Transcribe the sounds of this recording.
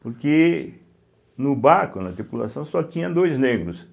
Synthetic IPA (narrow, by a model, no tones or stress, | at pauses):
pʊɾke | nʊbaɾkʊnɐt̪ɾipula̰sɐ̃w̃sɔt͡ʃ̪ĩɲɐ̃d̪ojzneɡɾʊs